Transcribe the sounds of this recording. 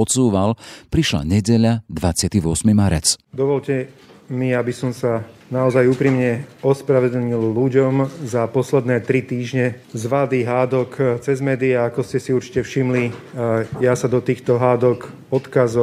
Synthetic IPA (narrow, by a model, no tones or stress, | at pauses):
ɔsuːʋalpɾiʃla̰ɲɛɟɛʎad̪ʋat͡sɪat̪iʋʊɔsmimaɾɛ̰t͡sd̪ɔʋɔʎcɛ | miabisɔmsanaɔzajuːpɾiːmɲɛɔspɾaʋɛd̪l̩ɲilluɟɔmzapɔslɛd̪nɛːt̪ɾit̪iːʒɲɛ | zʋad̪iːɦaːd̪ɔkt͡sɛzmɛːd̪iaːkɔscɛsiuɾt͡ʃi̥cɛfʃimli | jasad̪ɔt̪iːxt̪ɔɦaːd̪ɔk | ɔt̪kazɔ